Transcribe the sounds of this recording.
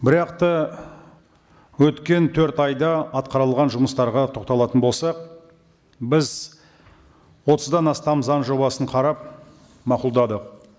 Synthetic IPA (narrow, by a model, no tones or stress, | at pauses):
bɪɾɑqt̪ə | wɵt̪kʲe̞nt̪ʰɵɾt̪ɑjd̪ɑɑt̪̚qɑɾəlˠʁɑnʒʊməst̪ɑɾʁɑt̪ʰo̞qt̪ɑlˠɑt̪ənbo̞lˠsɑq̚ | bɪz | wo̞t̪əzd̪ɑnɑst̪ɑmzɑnʒo̞bɑsəɴqʰɑɾɑp̚ | mɑqʊlˠd̪ɑd̪əq